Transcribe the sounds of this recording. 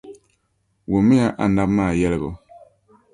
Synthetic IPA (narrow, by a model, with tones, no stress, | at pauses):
wo˨mi˦ja˦˨ʔa˨n˦da˦pma˦˨jɛ˦lɛ˨ɡɔ̰˨